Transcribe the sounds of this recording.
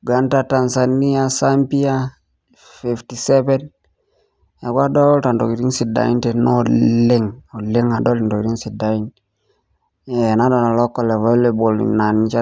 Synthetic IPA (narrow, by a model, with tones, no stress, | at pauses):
ɡa˦nta˦ta˨nsa˨ni˦a˦sa˦mpi˦a˦ | fi˨fti˨sɛ˦bɛ˦n | ja˨kwa˦dɔ˦lta˨ndo˨ki˨ɾi˦ŋsi˨da̰˨i˦nte˨no˦le˦ŋo˨le˦ŋa˨dɔ˦li˨ndo˨ki˨ɾi˦ŋsi˨da˨i˦n | e˨na˦dɔ˨na˨lɔ˦kːɔ˦le˨ve˦le˦bo˨lḭna˨nt͡ʃa˦